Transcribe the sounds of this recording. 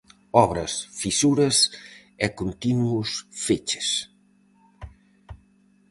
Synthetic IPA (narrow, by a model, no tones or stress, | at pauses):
ɔβɾɐsfisuɾɐsɛkont̪inuusfet͡ʃe̥s